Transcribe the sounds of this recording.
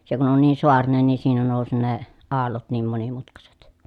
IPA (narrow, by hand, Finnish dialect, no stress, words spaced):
se kun on niː soɑrinen ni siːnæ noˑusi ne ɑːlːot niːm monimutkɑset